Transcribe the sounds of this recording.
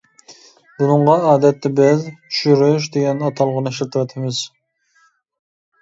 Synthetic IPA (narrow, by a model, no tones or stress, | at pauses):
b̥unɨɴʁɑɑːd̪ɛt̪ːɛbɪzʃyɾuʃ̬d̪eɡʲɛnɑt̪ʰɑlˠʁʊnɨʃlˠt̪ʰɨwɑt̪ʰɪmɪz̥